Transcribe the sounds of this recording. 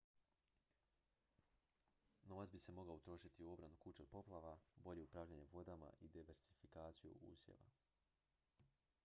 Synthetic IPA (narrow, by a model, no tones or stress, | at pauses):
no̞ʋat̪sbise̞mo̞ɡlaut̪ɾo̞ːʃit̪iuo̞bɾanukut͡ʃopo̞plˠaʋabo̞ʎe̞upɾaːvʎaɲeʋo̞d̪ama̰ʔid̪iʋeɾsifikaːt̪sijṵṵːsjḛʋa̰